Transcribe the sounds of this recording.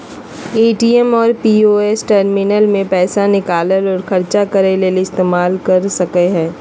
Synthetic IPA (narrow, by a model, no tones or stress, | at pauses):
eːʈiːɛmɔːɾpiːoːesʈəɾmɪnəlmẽpɛːsanɪkaːləlɔːɾxʰɐɾt͡ʃakɐɾeleːleɪst̪eːmaːlkɐɾsɐkeɦɛ̃ː